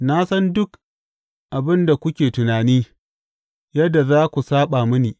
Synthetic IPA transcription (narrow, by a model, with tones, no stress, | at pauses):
na˦sɐ˦ndʊ˦k | ʔa˨bɪ˦nda˨kʷʊ˦kʲeː˨tʊ˨naː˨niː˦ | jɐ˦dːa˨zaː˦kʷu˨saː˦ɓa˨mʊ˦niː˨